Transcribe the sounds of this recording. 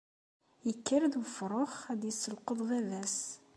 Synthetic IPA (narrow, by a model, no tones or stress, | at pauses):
jəkːəɾðwəfɾˤoχæd̪jəsːəlqəðˤðævæs